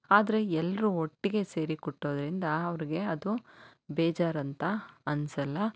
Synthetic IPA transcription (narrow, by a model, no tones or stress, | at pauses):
aːd̪ɐɾe̞ɛlːɐɾuoʈːiɡe̞se̞ːɾikɔʈːoːd̪ɐɾind̪ɐɐʋɐɾiɡe̞ɐd̪ubɛːd͡ʒaːɾɐnt̪ɐɐnsɐlːɐ